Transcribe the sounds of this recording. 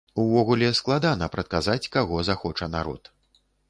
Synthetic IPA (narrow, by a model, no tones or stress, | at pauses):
uvɔɣulʲɛsklˠad̪anɐpɾɐt̪̚kazat͡sʲkaɣɔzaxɔt͡ʂɐnaɾɔ̰t̪